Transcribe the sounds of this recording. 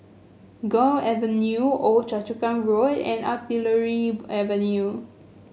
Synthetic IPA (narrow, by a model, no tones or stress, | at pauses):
ɡɔ̃ɛvənjuot͡ʃat͡ʃukãnɹodɛ̰̃natiləɹiɛvə̃nju